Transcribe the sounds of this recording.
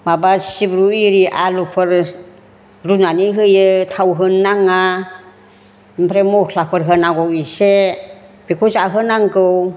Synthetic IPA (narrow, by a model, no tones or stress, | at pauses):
mabasibɾuiɾiʔalupʰɯɾ | ɾunaniɦɯjɯtʰawɦɯnːaŋa | impʰɾemɔlapʰɯɾɦɯnaɡɔwise | b̥ikʰuzaɦɯnaŋkɯw